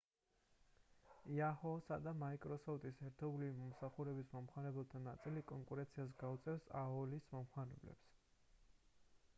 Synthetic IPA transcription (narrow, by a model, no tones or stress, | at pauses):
iahɔsad̪amaikʼɾɔsɔft̪ʼisɛɾt̪ʰɔblivimɔmsaχuɾɛbismɔmχwaɾɛbɛlˠt̪ʰanat̪sʼilikʼɔŋkʼuɾɛ̃nt̪sʰiazɡaut̪sʼɛfsa̰ɔlismɔmχwaɾɛ̰blɛ̰ps